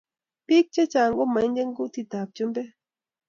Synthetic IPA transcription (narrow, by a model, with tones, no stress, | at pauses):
pi˦k̚t͡ʃe˦t͡ʃa˨ŋɡo˦ma˨˦ŋd͡ʒe˦ŋɡu˦t̪i˨t̪a˨p̚t͡ʃo˦mbe˦